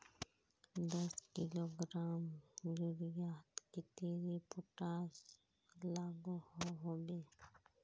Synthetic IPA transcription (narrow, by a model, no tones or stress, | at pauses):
d̪əskɪloːɡɾaːmd͡ʒuɾijaːt̪kɪt̪eɾipʊʈaːs | laːɡuhoɦobeː